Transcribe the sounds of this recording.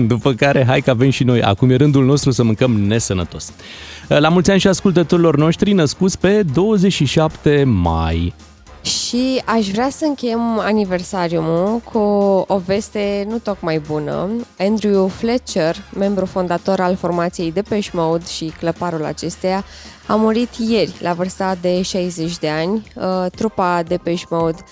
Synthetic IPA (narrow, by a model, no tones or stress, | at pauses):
d̪upəkaɾe̞ɦajkəave̞mʃino̞ja̰kumje̞ɾɨnd̪ulno̞st̪ɾusəmɨŋkəmne̞sənət̪o̞s | lamult̪sʲanʃiaskult̪ət̪o̞ɾilo̞rno̞ʃt̪ɾinəskut̪sʲpe̞d̪o̞wəzet͡ʃʃiʃapt̪e̞ma̰j | ʃiaʃvɾeasəɨŋkʲejema̰nive̞rsaɾjumukʰuove̞st̪e̞nut̪o̞kmajbunə̰end̪ɾuuflet͡ʃerme̞mbɾufo̞nd̪at̪o̞ɾalfo̞rmat̪sije̞jd̪e̞peʃmoud̪ʃikləpaɾula̰t͡ʃe̞st̪eja | amuɾit̪je̞rʲlʔavɨrst̪ad̪e̞ʃajze̞t͡ʃʲd̪e̞anʲət̪ɾupad̪e̞peʃmowd̪